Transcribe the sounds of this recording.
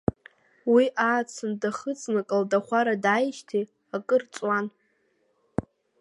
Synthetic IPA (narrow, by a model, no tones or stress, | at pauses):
wiʔaːt͡sʰɨndaχət͡sʼnakʼaldaχʷaɾadajʃtʰi | akʼɨrt͡sʼwan